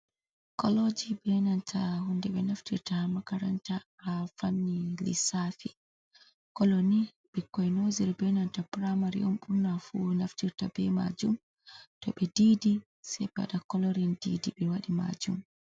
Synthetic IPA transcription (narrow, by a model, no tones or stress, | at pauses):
kɔlod͡ʒibɛnantʰahundɛɓɛnaftiɾtamakaɾantaː | fanːilḭsafi | kɔloni | ɓ̥ɛkːɔjnoziɾbɛnantapɾamaɾḭɔmɓuɾnafunaftiɾtabɛma̰d͡ʒum | tɔɓɛdiːdi | sɛpa̰ɗakɔlɔɾindidibɛwaɗima̰d͡ʒum